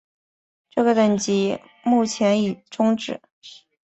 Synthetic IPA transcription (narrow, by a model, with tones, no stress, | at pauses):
ʈ͡ʂɤ˥˩ɡə˩t̪ə˨˩nt͡ɕi˧˥ | mu˥˩t͡ɕʰjɛ˧˥ni˨˩ʈ͡ʂʊ˥ŋʈ͡ʂɻ̩˨˩˦